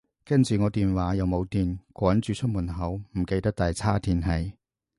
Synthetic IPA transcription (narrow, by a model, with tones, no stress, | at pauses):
kɐ˥nt͡syː˨ŋɔː˨˧t̪iː˨nwaː˨˥jɐ˨wmo˨˧wt̪iː˨nkʷɔː˨˥nt͡syː˨˧t͡ʃʰɵ˥t̚muː˨˩nɦɐ˨˥wm̩˨˩ke˧jt̪ɐ˥k̚t̪aː˨jt͡sʰaː˥t̪ʰiː˧nɦɐ˨˥j